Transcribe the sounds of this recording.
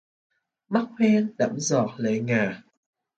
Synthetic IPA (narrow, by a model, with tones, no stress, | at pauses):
ma˦˥k̚hɛ˧nɗa̰˧˥mzɔ˨˩t̚lə˧˨˦jŋaː˨˩